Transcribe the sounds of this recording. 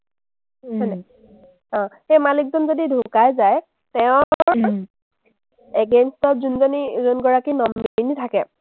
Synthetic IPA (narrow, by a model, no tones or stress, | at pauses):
ɔnɛ | ɔ̃xejmalik̚zɔnzodidʱũkajzaj | tɛʊ̃ | ɛɡenstɔtzunzɔnizunɡɔɹakinɔmːinitʰakɛ